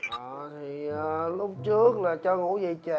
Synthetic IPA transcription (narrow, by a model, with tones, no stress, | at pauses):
ə˨˩t̪ʰi˨˩əː˨˩lʊ˦˥p̚t͡ɕɨ˦˥ək̚laː˨˩t͡ɕɔ˧ŋṵ˧˥zi˨˩t͡ɕə˧˨